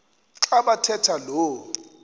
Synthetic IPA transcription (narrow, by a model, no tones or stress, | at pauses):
ǁaɓatʰɛtʰaloː